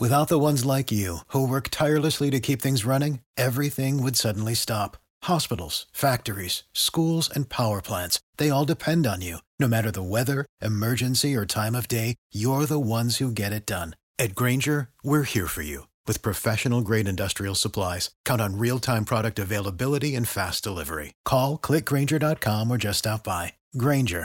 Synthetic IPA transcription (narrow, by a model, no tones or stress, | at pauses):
wɨθaʊt̪̚ðəwʌ̃nzlaɪkjʉhuwɜ˞ktʰaɪə˞lˠəsliɾɨkʰipθɪ̃ŋzɹʌñɪ̃ŋɛvɹiθɪ̃ŋwɨdsʌdⁿn̩listɑp | hɑspɪɾl̩ˠz̥fæk̚tə˞iz̥skulˠzɨ̃npʰaʊə˞pʰl̥æ̃ntsðeɪɔlˠdɨpʰɛ̃ndn̩jʉnoʊmæɾə˞ðəwɛðə˞ʔɨmɜ˞d͡ʒɨ̃nsiə˞tʰãɪ̃mʌvdeɪjə˞ðəwʌ̃nz̥huɡɛɾɨt̚d̥ʌ̃n | ɨt̚ɡ̥ɹẽɪ̃nd͡ʒə˞wɪɹhiɹfə̰˞jʉ̰ | wɨð̥pʰɹ̥ɨfɛʃɨnl̩ˠɡɹeɪɾɨ̃ndʌstɹ̥il̩ˠsəpʰl̥aɪz̥kʰãʊ̃ntn̩ɹilˠtʰãɪ̃mpʰɹ̥ɑɾɨk̚tɨveɪlˠəbɪlˠəɾiɨ̃nfæsd̥əlɪvə̰˞ḭkʰɔlˠkʰl̥ɪk̚ɡ̥ɹẽɪ̃nd͡ʒə˞dɑt̚kʰɑ̃mə˞d͡ʒʌstɑp̚b̥aɪ | ɡɹẽɪ̃nd͡ʒə̰˞